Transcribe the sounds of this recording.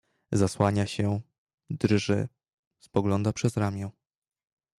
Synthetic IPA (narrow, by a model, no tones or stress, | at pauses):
zaswaɲaɕɛ | d̪rʐɘ̰ | spɔɡlɔnd̪apʂɛzɾamʲjɛ̃